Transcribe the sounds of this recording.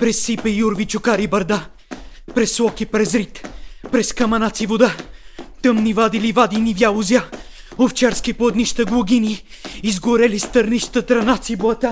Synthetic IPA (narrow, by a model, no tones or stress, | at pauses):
pɾɛsːipəijuɾvit͡ʃʊkaɾibɐɾd̪a | pɾɛsːlˠɔkipɾɛzɾit̪pɾɛskɐmɐnat̪sivod̪at̪ɤmnivad̪ilivad̪inivjalˠʊzja | oft͡ʃaɾskipoɐd̪niʃt̪əɡlˠʊɡʲiniː | zɡʊɾɛlist̪əɾniʃt̪ət̪ɾɐnat̪sibɐt̪a